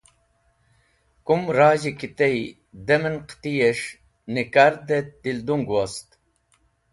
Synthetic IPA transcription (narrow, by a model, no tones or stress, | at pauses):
kumɾaːʑikit̪ej | d̪emənqt̪ijeʂ | nikaɾd̪ed̪ild̪uŋɡwast̪